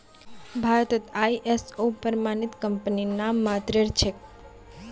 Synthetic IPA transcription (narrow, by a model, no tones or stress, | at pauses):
bʱaɾət̪ət̪ajʔesopəɾmanit̪kəmpəninamːat̪ɾeɾt͡ʃʰek̚